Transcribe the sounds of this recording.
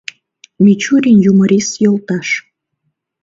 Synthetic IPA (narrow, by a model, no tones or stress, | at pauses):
mʲit͡ɕuɾʲinjuməɾʲisjolˠt̪ɑʃ